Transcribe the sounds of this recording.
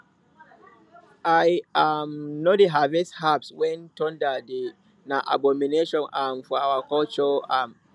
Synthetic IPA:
ʔajamnodeɦavɛshapswɛntɔndade | naʔa̰bɔmineʃɔ̃nʔamfawakɔlt͡ʃɔam

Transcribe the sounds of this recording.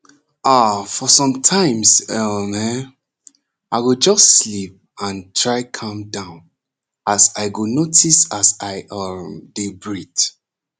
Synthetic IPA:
afɔsɔ̃mtʰãɪ̃msɔmɛ | ʔaɪɡod͡ʒʌstːlip̚ | ãntʰɹaɪkʰɔ̃mdãʊ̃n | asaɪɡonotʰisasaɪʔʌmdebɹit

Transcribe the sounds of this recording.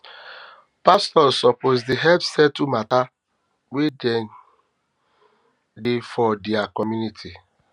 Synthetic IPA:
pastɔsɔpozdiɦɛpsɛtumata | wedɛn | defɔdiakɔmjunitʰi

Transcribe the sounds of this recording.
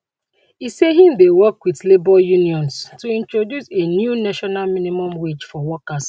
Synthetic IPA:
iseɦĩm̩d̪ewɔkwiðlebɔjuniɔ̃nstuĩntɹodjusenjunaʃɔnalminimɔ̃mwed͡ʒfɔwɔkas

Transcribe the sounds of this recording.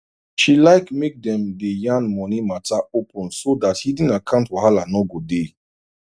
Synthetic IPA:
ʃilaɪkmek̚dɛ̃mdejãnmɔnimataopʰə̃nsodathidĩnakʰãʊ̃ntwɔhalanɔɡode

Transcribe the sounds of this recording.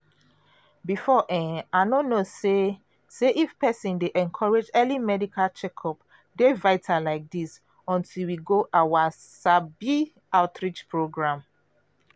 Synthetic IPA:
bifɔʔɛ̃aɪnonose | seʔifpɛsĩndeʔɛ̃nkʰɔɹed͡ʒɛlimɛdikʰalt͡ʃɛkʰɔp | devaɪtʰalaɪk̚dis | ɔ̃ntʰilwiɡoʔawasabi | aʊtɹit͡ʃpɹoɡɹãm

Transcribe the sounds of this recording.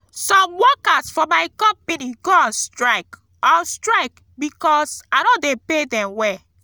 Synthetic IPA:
sɔ̃mwɔkasfɔmaɪkɔ̃mpiniɡɔ̃nstɹaɪk | ɔstɹaɪk | bikɔsanɔ̃depedɛ̃mwɛ

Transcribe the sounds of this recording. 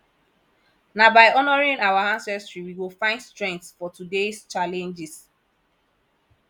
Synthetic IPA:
nabaɪɔnɔɹĩŋawaãnsɛstɹiwiwɪlfãɪ̃ndstɹɛ̃ŋk̚tsfɔtudest͡ʃalɛ̃nd͡ʒɪs

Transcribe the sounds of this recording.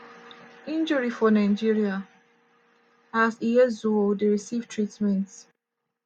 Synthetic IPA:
ĩnd͡ʒəɹifɔnaɪd͡ʒiɹia | aziɛzuodɹisivtʰɹitmɛ̃nt

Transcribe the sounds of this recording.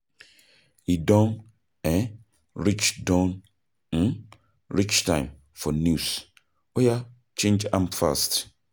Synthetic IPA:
hidɔ̃n | ɛ̃ | ɹit͡ʃdãn | n̩ | ɹit͡ʃtʰã̰ɪ̃m | fɔnjus | ɔja | t͡ʃʰẽnd͡ʒãmfa̰st

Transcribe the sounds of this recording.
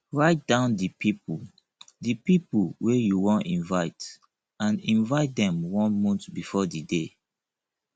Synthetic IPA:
ɹaɪt̚dãʊ̃ndipipu | dipipuwejuwɔ̃ntĩnvaɪt | ãnĩnvaɪt̚dɛ̃mwɔ̃nmũntbifɔdide

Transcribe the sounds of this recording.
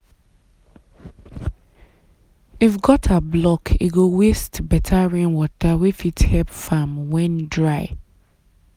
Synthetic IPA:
ifɡɔtʰablɔkʰiɡowestbɛtʰaɹɛ̃nwɔtʰawifithɛpfamwɛ̃ndɹaɪ

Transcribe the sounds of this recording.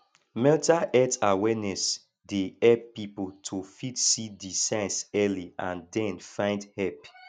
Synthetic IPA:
mɛltaʔɛtawɛnɛs | deɛb̚pipoltʰofitsidisɛ̃sɛliãndɛ̃nfãɪ̃ndhɛp

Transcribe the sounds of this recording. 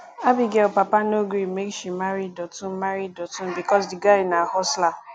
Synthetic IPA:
abiɡɛlpapanoɡɾimekʃimaɾidɔtũm̩maɾidɔtũm̩bikɔsdiɡaɪnahɔsla

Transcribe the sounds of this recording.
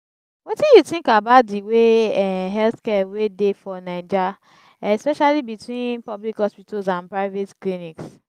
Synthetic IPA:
wɔtĩjuθĩŋkabatdiweɦɛlθkɛwedefɔnaɪd͡ʒa | ɛspɛʃalibitwĩnpɔblikhɔspitosãnpɹaɪvetkliniks

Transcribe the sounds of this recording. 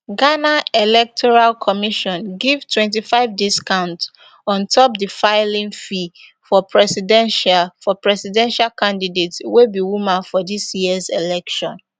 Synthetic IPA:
ɡanaelɛk̚tʰɔɹalkʰɔmiʃɔ̃nɡivtʰwɛ̃nt̬ifaɪvdiskãʊ̃nt | ɔ̃ntʰɔp̚difaɪlĩnfifɔpʰɹɛsidɛ̃nʃafɔpɹɛsidɛ̃nʃalkãndidetswebiwumãnfɔdisjiəzelɛkʃɔ̃n

